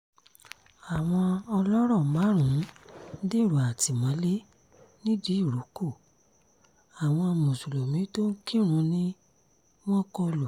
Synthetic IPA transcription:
a˨w̃ɔ̃˧ɔ˧lɔ˦ɾ̃ɔ̃˦˨˦ma˨˦ɾ̃ũ˨˦de˦˨ɾu˨a˨ti˨mã˨˦le˦ | nĩ˦di˨˦i˦˨ɾu˨˦ko˦˨ | a˨w̃ɔ̃˧ɔ˧mũ˨su˨lo˨mĩ˨˦to˦ŋ̩˦kĩ˦ɾ̃ũ˨˧˦nĩ˦ | w̃ɔ̃˦kɔ˧lo˨

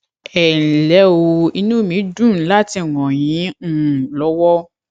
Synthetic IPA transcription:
ɛ˨lɛ˨˦o˧i˧nũ˦˨mĩ˨˦dũ˦˨n̩˦la˦ti˧˦˨wɔ̃˨j̃ĩ˨˦˨lɔ˨˦wɔ˦

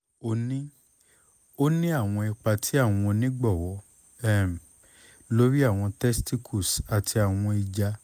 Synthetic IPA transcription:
o˧nĩ˦ | o˦nĩ˦a˦˨w̃ɔ̃˧i˧k͡pa˧tʰi˨˦a˦˨w̃ɔ̃˧nĩ˦ɡ͡bɔ˦˨wɔ˨˦ | ɛ˦˨m˨ | lo˦ɾi˦a˦˨w̃ɔ̃˧tɛ˦sti˦kʰu˦˨sa˨tʰi˧a˨w̃ɔ̃˧i˧d͡ʒa˧

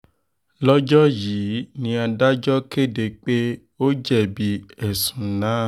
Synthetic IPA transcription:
lɔ˦d͡ʒɔ˦jiː˨˦nĩ˧˦a˧da˦d͡ʒɔ˦ke˦˨de˧k͡pe˦ | o˦d͡ʒɛ˦˨bi˧˦ɛ˦˨sũ˨nãː˨˦

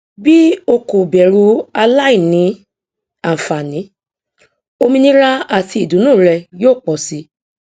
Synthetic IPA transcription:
bi˦o˧ko˨bɛ˨ɾu˧˦a˧la˦i˦˨nĩ˨˦ | a˨m̩˨fa˨nĩ˨˦ | o˧mĩ˧nĩ˦ɾa˦a˦˨tʰi˧i˨dũ˨˦nũː˦˨ɾɛ˧joː˦˨k͡pɔ˨si˧˦

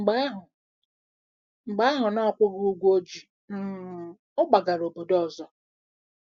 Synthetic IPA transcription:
ŋ͡m̩˨ɡ͡ba˦ɦ | ŋ͡m̩˨ɡ͡ba˦a˦ɦʊ˨nɔ˦˨kʷʊ˦ɣu˦ɡʷo˦d͡ʒi˨ | m̩˦˨ | ʊ˦ɡ͡ba˨ɡa˨ɾo˨bo˨dɔ˦˨zɔ˦

